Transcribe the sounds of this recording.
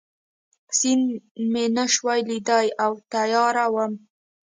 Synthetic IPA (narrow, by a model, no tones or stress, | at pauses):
sinmenəʃwajlid̪ajawt̪ajɑɾawəm